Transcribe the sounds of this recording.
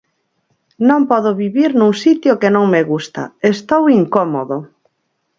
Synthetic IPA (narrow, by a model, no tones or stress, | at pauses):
nõmpɔðoβiβiɾnũŋsit̪jokenõŋmeɣust̪a̰est̪owiŋkɔmoðo